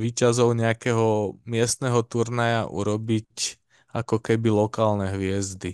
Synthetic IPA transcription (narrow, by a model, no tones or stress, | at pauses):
ʋiːcazɔʊɲɛakɛɦɔmɪɛst̪nɛɦɔt̪uɾnajaʔṵɾɔbic | akɔkɛbilɔkaːlnɛɦʋɪɛzd̪i